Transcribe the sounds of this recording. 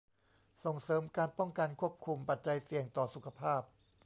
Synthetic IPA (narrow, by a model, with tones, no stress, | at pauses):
so˨˩ŋsɤː˩˦mkaː˧npɔ˥˩ŋka˧nkʰu˥˩əp̚kʰu˧mpa˨˩t̪̚t͡ɕa˧jsi˨˩əŋt̪ɔː˨˩su˨˩kʰa˧pʰaː˥˩p̚